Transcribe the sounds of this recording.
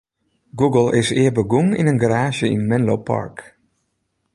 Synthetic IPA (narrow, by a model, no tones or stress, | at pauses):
ɡuɡəlˠɪsɪːbəɡuŋɪ̰nənɡaɾaːʒjəɪ̰nmɛnlowpʰɑ̰ɹk